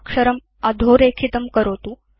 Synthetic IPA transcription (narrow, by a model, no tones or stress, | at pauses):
kʂəɾəm | ad̪ʱoɾekʰit̪əmkəɾot̪u